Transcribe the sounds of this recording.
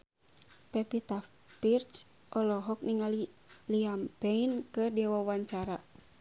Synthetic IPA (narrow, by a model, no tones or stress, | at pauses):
pɛpit̪a | pirt͡ʃ | ʔɔlɔɦɔk̚niŋali | liampɛinkɨdiwawaɲt͡ʃaɾa